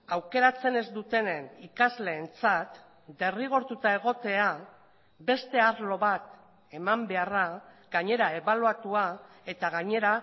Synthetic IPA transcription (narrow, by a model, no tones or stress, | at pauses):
awke̞ɾat͡se̞ne̞zd̪ut̪e̞ne̞nikazle̞ːnt͡sat̪ | d̪e̞riɣ̞o̞ɾt̪ut̪ae̞ɣ̞o̞t̪e̞a | be̞st̪e̞aɾlo̞βat̪ | e̞mambe̞ara | ɡaɲe̞ɾae̞βaluat̪ua | e̞t̪aɣaɲe̞ɾa